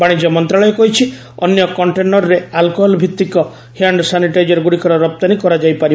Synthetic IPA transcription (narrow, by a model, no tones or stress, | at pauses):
baɽ̃id͡ʒɔmɔnt̪ɾaɭɔjɔkɔɦit͡ʃʰi | ɔnjɔkɔɳʈenɔɾɾealkoɦɔlbʱit̪ːikɔ | hiaɳɖsaniʈajd͡ʒɔɾɡuɽikʰɔɾɔɾɔp̚t̪anikɔɾad͡ʒajpaɾi